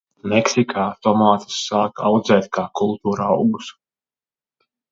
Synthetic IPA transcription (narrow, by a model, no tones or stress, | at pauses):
mɛksikʰaːt̪ɔmaːt̪ḁsːaːka̰wd̪zɛːt̪kaːkulˠt̪uːɾaːṵɡus